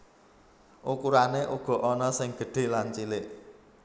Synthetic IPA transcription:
ʔukuɾaneʔuɡ̥ɔ̤ʔɔnɔsɪŋɡ̥ə̤ɖ̥e̤lant͡ʃilɪʔ

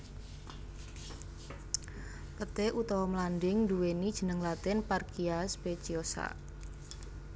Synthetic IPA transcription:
pət̪eʔut̪ɔwɔmlanɖɪŋduwenid̥ʒ̥ə̤nəŋlat̪ɪnparkiaspet͡ʃiosa̰

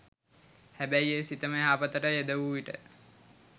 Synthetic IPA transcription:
hæbæjesit̪əməɦaːpət̪əʈəed̪əʋuʋiʈə̰

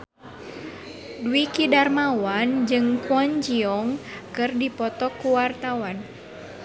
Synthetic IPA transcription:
duikidarmawand͡ʒɨŋkuɔɲd͡ʒiɔŋkɨrdipɔt̪ɔkuwart̪awan

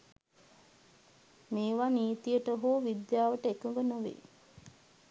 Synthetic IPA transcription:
meːʋaniːt̪ijəʈəɦoːʋid̪jaːʋəʈəekəŋɡənoʋḛ

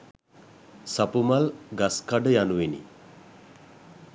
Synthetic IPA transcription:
sapumalɡaskaɖəjanuʋenḭ

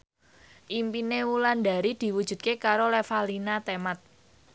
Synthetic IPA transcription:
ʔimpinewulanda̤ɾid̪̥i̤wud̥ʒ̥ṳt̪̚kekaɾolefalinat̪emat̪̚

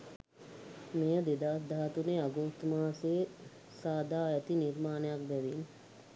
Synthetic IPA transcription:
mejəd̪ed̪aːsd̪aɦat̪uneaɡoːt̪maːse | saːd̪aːɛt̪iniɾmaːnəjak̚bɛʋin

